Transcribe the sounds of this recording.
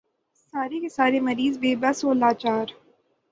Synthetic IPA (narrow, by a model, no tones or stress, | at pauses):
saːɾekesaːɾemɐɾiːzbeːbɐsoːlaːt͡ʃaːɾ